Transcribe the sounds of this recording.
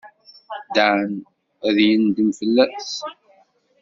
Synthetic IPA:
d̪æn | æðjənd̪əmfəlːæs

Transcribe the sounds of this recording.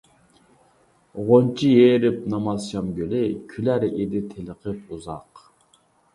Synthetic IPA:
ʁont͡ʃʰijeːɾɪp̚nɑmɑzʃɑmɡʲølɪkʲʰylæɾed̪ɪt̪ʰeləqʰəpuzɑq

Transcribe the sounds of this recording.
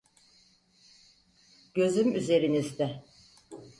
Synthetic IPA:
ɟ̥ø̞zymyze̞ɾinizd̪ɛ

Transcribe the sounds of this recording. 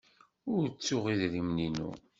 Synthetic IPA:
ʊɾt͡sːʊʁiðɾimninṵ

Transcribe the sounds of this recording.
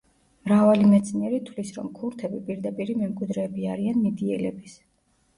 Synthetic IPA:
mɾavalimɛt̪sʰniɛɾit̪ʰlisɾɔ̰mkʰuɾt̪ʰɛbipʼiɾd̪apʼiɾimɛmkʼwid̪ɾɛːbiaɾianmid̪iɛlɛbis

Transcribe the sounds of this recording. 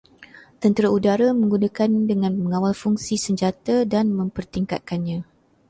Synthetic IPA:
t̪ənt̪əɾaudaɾamə̃ŋɡunakandəŋãnməŋãwalfuŋsisəɲd͡ʒat̪adanmə̃mpərt̪iŋka̰t̪̚kanɲã

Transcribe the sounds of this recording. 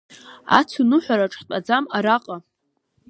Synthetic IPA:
a̰t͡sʰunɨħʷaɾaʈ͡ʂʼħt͡pʼad͡zamaɾaqʼa

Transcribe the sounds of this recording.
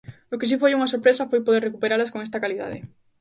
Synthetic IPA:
okes̬ifojuŋasoɾpɾesafojpoðeɾrekupeɾalaskoŋest̪ɐkaliða̰ðḛ

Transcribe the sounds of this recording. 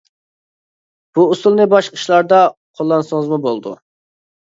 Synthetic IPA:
b̥uusulˠnɨbɑʃqʰə̥ʃlˠɑɾd̪ɑqʰolˠːɑnsoŋəzmubolˠd̪ṵ

